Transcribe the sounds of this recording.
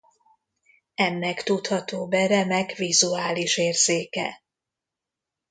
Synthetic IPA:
ɛnːɛkt̪ut̪hɒt̪oːbɛɾɛmɛkvizuaːliʃeːrz̥eːkɛ̰

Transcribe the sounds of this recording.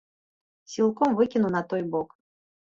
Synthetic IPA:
sʲilˠkɔmvɨkʲinuwnɐt̪ɔjbɔk

